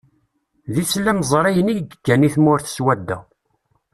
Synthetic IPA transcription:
ðit͡sːlːæmzˤɾˤijəniʝəɡəɡːæniθmʊɾθə̥swæd̪ːæ̰

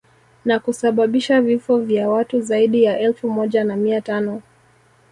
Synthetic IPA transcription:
nakusaɓaɓiʃavifɔvjawatuzaiɗijaʔɛlfumɔʄanamiatanɔ

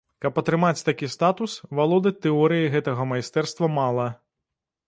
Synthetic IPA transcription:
kɐpɐt̪ɾɨmat͡sʲt̪akʲist̪at̪usvalˠɔd̪ɨt̪ɛɔɾɨjiɣɛt̪ɐɣɐmajst̪ɛrst̪vɐmalˠɐ

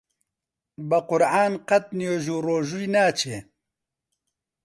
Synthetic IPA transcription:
bɐqʊɾʕaːnqɐt̪̚njoːʒuːroːʒujnaːt͡ʃʰeː

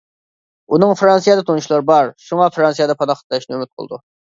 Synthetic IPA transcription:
unɨŋfɾɑnsijɑd̪ɛt̪ʰonuʃlˠɑɾbɑɾʃuŋɑfɾɑnsijɑd̪ɑpʰɑnɑχət̪lɛʃnɪømɪt̪̚qʰə̰lˠd̪u

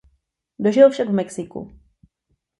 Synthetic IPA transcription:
doʒɪlfʃaɡvmɛksɪkṵ

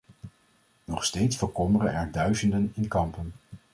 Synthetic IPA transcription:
nɔχstejtsfəɹkɔmərənɛɹdœɥzəndənɪnkɑmpən

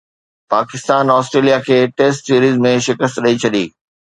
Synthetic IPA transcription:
paːkɪst̪aːnɔːsʈɾeːlijakʰeːʈeːsʈsiːɾiːzmẽʃɪkəst̪ɗɐit͡ɕʰɐɗiː

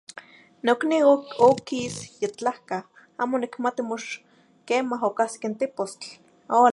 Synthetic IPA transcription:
nokniokisjet͡ɬahka | aːmonikmat̪imoʃ | keːmaɦokaskent̪epost͡ɬ | o

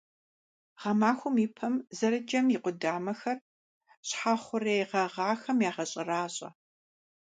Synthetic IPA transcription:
ʁɐmaːxʷʊmiːpʰɐmzɐɾɨd͡ʒɐmjiqʷʊdaːmɐxɐr | ɕħaːχʷʊreːjʁɐʁaːxɐmjaːʁɐɕʼɪraːɕʼɐ̰

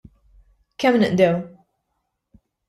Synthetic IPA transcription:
kɛmnɨʔd̪ɛw

